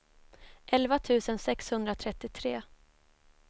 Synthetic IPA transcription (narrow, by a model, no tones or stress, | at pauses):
ʔɛlvat̪ʰʉ̟ːsənsɛkshɵnd̪ɾat̪ʰɾɛt̪ːɪt̪ʰɾeː